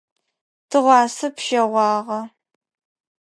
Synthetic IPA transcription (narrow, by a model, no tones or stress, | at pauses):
tʰɨʁʷɑːsɨpʃɐʁʷɑːʁɐ